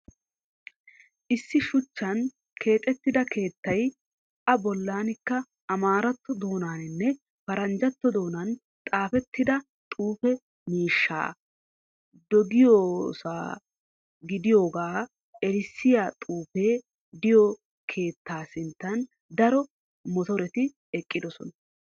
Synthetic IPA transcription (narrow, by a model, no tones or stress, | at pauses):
ʔɪsːɪʃʊt͡ʃːɐn | kʰe̞ːt̪ʼɛt̪ːɪd̪ɐkʰe̞ːt̪ːɐj | ʔɐbɔlːaːnɪkːɐ | ʔɐmaːɾɐt̪ːɔd̪o̞ːnaːnɪnːɛ | fɐɾɐnd͡ʒɐt̪ːɔd̪o̞ːnɐn | t̪ʼaːfɛt̪ːɪd̪ɐ | t̪ʼuːfɛ | miːʃːa̰ː | d̪ɔɡɪjoːsa̰ː | ɡɪd̪ɪjo̞ːɡaː | ɛɾɪsːɪjaːt̪ʼuːfe̞ː | d̪ɪjɔ | kʰe̞ːt̪ːaːsɪnt̪ːɐn | d̪ɐɾɔ | mɔt̪ɔɾɛt̪ɪ | ɛkʼːɪd̪ɔsɔ̰nɐ